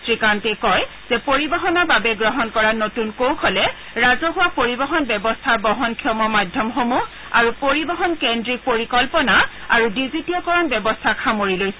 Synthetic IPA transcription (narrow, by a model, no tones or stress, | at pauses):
sɹikantekɔj | z̥ɛpoɹibɔɦɔnɔbabɛɡɹɔɦɔnkɔɹanotunkowkʰɔlɛ | ɹazɔɦuwapoɹibɔɦɔnbɛbɔstʰaɹbɔɦɔnkʰijɔmɔmadʱjɔmxomuɦ | a̰ɹupoɹibɔɦɔnkendɹipoɹikɔlpɔnaa̰ɹudizitiɔkɔɹɔnbjɛbɔstʰakʰamoɹilojsɛ